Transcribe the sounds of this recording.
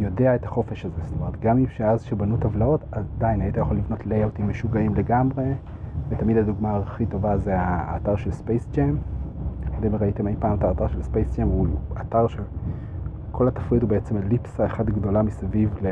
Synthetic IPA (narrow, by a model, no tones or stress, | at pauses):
jo̞de̞aetaχo̞fe̞ʃazest̪omeet̪̚ɡamimʃeazʃebanutavlao̞tad̪ainhaitajaχo̞livno̞tlejawtimːeʃuɡaimle̞ɡamʁe̞ | vetamidaduɡmaːχito̞vazeaːtaʁʃe̞lspejst͡ʃem | odemeʁaitemejpaːmtaːtaʁʃelspejst͡ʃemuataʁʃel | kʰo̞latafʁidubeet͡se̞melipsaeχadɡdo̞lamisavivle